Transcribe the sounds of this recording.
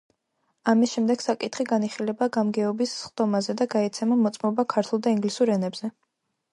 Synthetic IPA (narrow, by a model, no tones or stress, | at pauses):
amisʃɛmd̪ɛɡ̥sakʼit̪ʰχiɡaniχilɛbaɡamɡɛɔbisχd̪̥ɔmazɛd̪aɡaɛt̪sʰɛmamɔt̪sʼmɔbakʰaɾt̪ʰulˠd̪aiŋɡlisuɾɛnɛbz̥ɛ